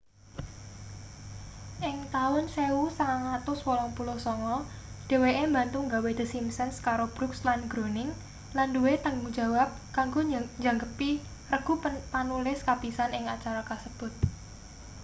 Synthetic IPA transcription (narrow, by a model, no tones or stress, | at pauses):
ʔɪŋt̪aʊnseusaŋat̪ʊswɔlɔŋpulʊhsɔŋɔ | d̥e̤weʔembant̪ʊŋɡawed̪̥ə̤simsənskaɾob̥ɾukslanɡ̥ɾonɪŋ | landuwet̪əŋud͡ʒa̤wap̚kaŋɡoɲd͡ʒaŋɡəpi | rəɡ̥ṳpanulɪskapisanɪŋat͡ʃaɾakasəb̥ʊt̪̚